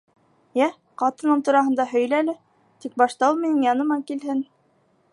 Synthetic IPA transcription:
jæ | qɑt̪ɤ̆nɤɴt̪uɾɑɦɤ̆nd̪ɑɦɵ̆jlælɘ | t̪ik̚bɑʃt̪ɑuminɘŋjɑnɤ̆mɑkilɦɘn

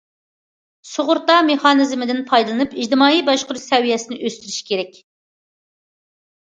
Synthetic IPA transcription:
soʁʊɾt̪ɑmeχɑːnɨzmɪd̪ɪnpʰɑjd̪ɨlˠɨnɨpid͡ʒd̪ɨmɑːibɑʃqʊɾsɛwijɛsɪnɪʔøst̪yɾyʃkʲeɾɛkʲ

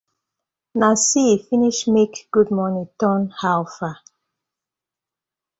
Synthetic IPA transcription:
nasifiniʃmekɡ̥ud̚mɔnitɔ̃nhalfa

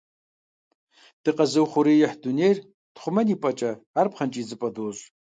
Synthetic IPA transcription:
d̥ɨqʼazɨwχʷʊɾijɪħdunejr | d̥χʷʊmɐnipʼat͡ʃʼɐːrpχant͡ʃʼid͡zɨpʼadoɕʷʼ

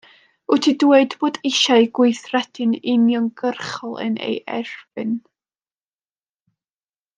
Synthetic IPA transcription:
ʊtʰidwedb̥oːdɪʃajɡwʊɨθrɛdʰɨnɪnjɔŋɡərχɔlˠə̰nḛjʔɛ̰rvɨn

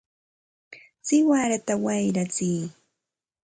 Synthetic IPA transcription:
sɪwaɾat̪awajɾat͡siː

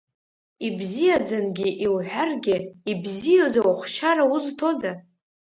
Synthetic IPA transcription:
ibzijad͡zanɡʲɪʔiwħʷᶣarɡʲɪibzijod͡zawaχʷʃaɾauztʰo̞da

